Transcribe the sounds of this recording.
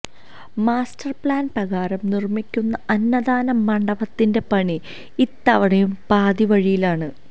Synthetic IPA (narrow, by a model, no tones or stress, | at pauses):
maːstʰɐrpɭaːnprɐɣaːɾɐmnirmikʲːunːɐɐnːɐðaːnɐmːɐɳɖɐbɐt̪ːinde̞pɐɳi | it̪ːɐʋɐɳɐjumpaːd̪iʋɐɻijilaːɳɨ